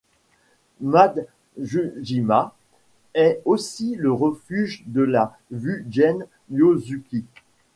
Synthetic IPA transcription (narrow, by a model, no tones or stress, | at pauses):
mad̪ | ʒyʒima | ɛosiləʁəfyʒd̪əla | vyʒɛn | jozykʲi